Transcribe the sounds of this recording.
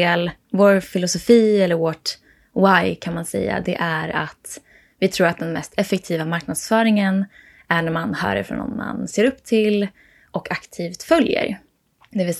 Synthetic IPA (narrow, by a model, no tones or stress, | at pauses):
eːl | voːɾfɪlʊsʊfiːɛlːəɾvɔʈ | wajkʰanmansɛ̰jːa̰d̪ɛ̰ʔæɾat̪ | vɪt̪ʰɾuːɾat̪̚d̪ɛnmɛst̪ʰɛfːɛk̚t̪ʰiːvamaɾk̚nad̪sfœːɾɪŋən | æɳæmanhœ̰ːɾə̰fɾɔ̰nɔ̰nːa̰nseːɾɵpːt̪ʰɪl | ʔɔkʰakt̪ʰiːft̪fœljə̰ɾ | d̪ɛvɪl